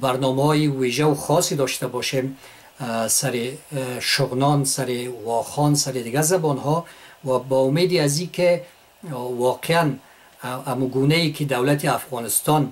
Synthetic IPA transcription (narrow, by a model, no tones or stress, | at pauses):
baɾnɔmahɔjiwiʒawuxɔsid̪ɔʃt̪abɔʃem | saɾiʃʊɣnɔnsaɾiɣɔχɔnsaɾid̪ɪɡazabɔnɦɔwabɔumed̪iazike | wɔqʰean | amuɡunaikʰid̪awlat̪iafɣɔnɪst̪ɔn